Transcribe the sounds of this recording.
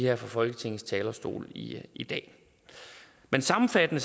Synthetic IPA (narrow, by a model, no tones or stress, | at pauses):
heɐfɒfɒ̽lɡ̥ət͡sʰe̝ŋ̰̩st͡sʰɛːlɐsd̥o̝̰ːliid̥ɛ̰ː | mensɑ̈mm̩fæd̥ənə